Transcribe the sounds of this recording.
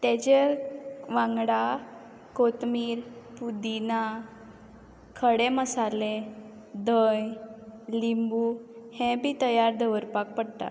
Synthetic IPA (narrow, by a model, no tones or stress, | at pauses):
t̪et͡ɕe | ʋãŋɡɽa | kot̪miːɾpud̪ina | kʰəɽeməsale | d̪əjlimbuhɛ̃bʱiːt̪əjaɾd̪əʋəɾpak̚pəɽt̪a̰